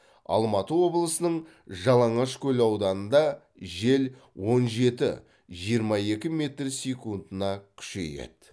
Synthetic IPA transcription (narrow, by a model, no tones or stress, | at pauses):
ɑ̰lˠmɑt̪əwo̞blˠəsənəɴ | ʒɑlˠɑɴɑʃkʲʰɵlɑwd̪ɑnənd̪ɑ | ʒe̞l | wo̞nʒe̞t̪ɪ̰ | ʒijəɾmɑje̞kʲɪme̞t̪rsʲekund̪ənɑkʲʰʏ̥ʃe̞̰jḛd̪̥